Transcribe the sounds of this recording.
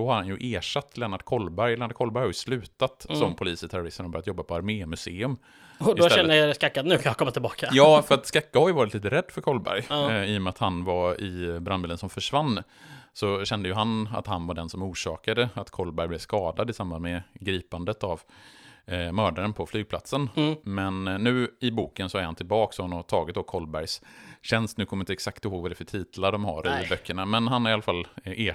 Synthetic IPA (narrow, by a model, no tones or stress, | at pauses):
ɔhaɾhanjɵʔeːʂat̪ːlɛnaɖkʰɔlbæɾjlɛːnaɖkʰɔlbæɾjhaɾjʉ̥slʉ̟ːt̪at̪sɔmpʰʊliːsɪt̪ʰæɾʊɾɪst̪ənhɔbœɾjat̪jɔbːapʰɔaɾmeːmɵseːɵm | ɔdɪsɛnːəaskakːat̪nʉ̟ːkʰãnjakʰɔmːat̪ɪlbɑːkajɑːfœɾat̪skakːahaɾjʉvɑːɾɪt̪liːt̪əɾɛd̪ːfœɾkʰɔlbæ̰ɾjiːɔmɛat̪hanvaɪbɾanbild̪ənsɔmfœʂvanː | sɔɕɛnd̪əjʉɦana̰t̪hanvaɖɛnsɔmuːʂɑːkad̪əat̪kʰɔlːbæɾjblɛvskɑːd̪ad̪ɪsamband̪mɛɡɾiːpand̪ət̪av | mœːɖaɾənpʰɔflyːɡ̚pʰla̰t̪sənmɛnːʉ̟ːɪbuːkənsɔæɾhant̪ʰɪlbɑːksɔhanɔt̪ʰɑːɡɪt̪̚d̪ɔkʰɔlbæɾjsɕɛnst̪nʉ̟ːkʰɔmːɪnt̪əɛksak̚t̪ɪhoːɡvad̪ɛɾfœʈʰiːt̪əlaɖɔmha̰ɾɪbœkʰːəɳamɛnhanhaɾɪalːafalːeː